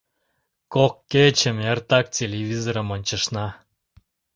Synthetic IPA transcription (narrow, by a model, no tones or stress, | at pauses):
kokːet͡ɕəmert̪ɑk̚tʲelʲeβʲizoɾəmonʲt͡ɕəʃnɑ